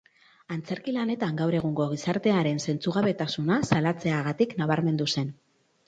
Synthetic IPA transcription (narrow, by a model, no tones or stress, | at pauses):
ant͡se̞ɾkilane̞t̪aŋɡawɾe̞ɣ̞uŋɡo̞ɣ̞isaɾt̪e̞aɾe̞nse̞nt͡suɣ̞aβe̞t̪asunasalat͡se̞aɣat̪iknaβaɾme̞nd̪use̞n